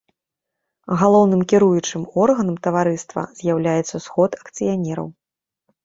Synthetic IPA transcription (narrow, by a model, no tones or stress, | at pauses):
ɣalˠɔwn̪ɨmkʲiɾujut͡ʂɨmɔrɣɐnɐmt̪ɐvaɾɨst̪vɐ̰z̥ʲjawlʲajɛt̪sːɐsxɔt̪ɐkt̪sɨjanʲɛɾɐ̰w